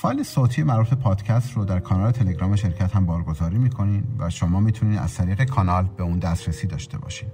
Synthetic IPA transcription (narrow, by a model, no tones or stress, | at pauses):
fɒːjlesoːt̪ʰiːjemæɾufepʰɒːd̪̥cʰæst̪rod̪æɾkʰɒːnɒːlet̪ʰe̞leɡɾɒːmeʃe̞ɾcʰæt̪hæmbɒːɾɡo̞zɒːɾiːmiːkʰo̞niːnvæʃomɒːmiːt̪ʰuniːd̪æ̰z̥t̪ʰæɾiːɣe̞kʰɒnɒːlbeuːnd̪æst̪ɾesiːd̪ɒːʃt̪e̞̰bɒ̰ːʃiːd̪